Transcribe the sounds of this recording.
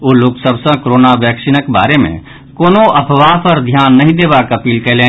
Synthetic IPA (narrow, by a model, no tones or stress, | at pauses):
oːloksəbʱsə̃koɾoːnaʋjəkʃinəkba̰ːɾemḛ̃ | koːnoʔəpʰʋaːpʰəɾd̪ʱjaːnːəɦĩd̪ebakəpiːlkɛlẽ